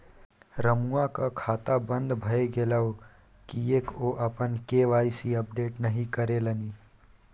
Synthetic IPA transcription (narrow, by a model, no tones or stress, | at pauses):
ɾəmuakakʰaːt̪abə̃nd̪bʱəeɡeləw | kiekoʔəpənkeʋaːjsiəpɖeːʈnəɦĩkəɾeləni